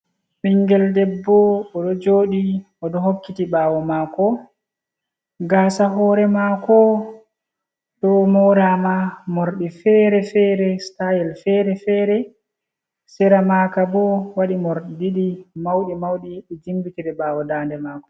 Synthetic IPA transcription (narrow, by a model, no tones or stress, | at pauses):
ɓiŋɡɛldɛbːɔɔɗɔd͡ʒoːɗi | ɔɗɔɦokːitiɓaːwɔmakɔ | ɡaːsaɦɔːɾɛmakɔ | ɗɔmɔɾamamoɾɗifɛɾɛfɛɾɛstajilfɛɾɛfɛːɾɛ | sɛɾamaːkabɔwaɗimoɾɗdiɗimawɗimawɗiɗɛd͡ʒimbitiɗɛɓaːwɔdaːndɛmaːkɔ̥